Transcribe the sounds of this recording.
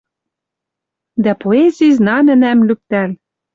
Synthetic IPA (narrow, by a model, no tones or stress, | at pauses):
d̪æpoezʲijznɑnɘ̆næmlyk̚t̪æl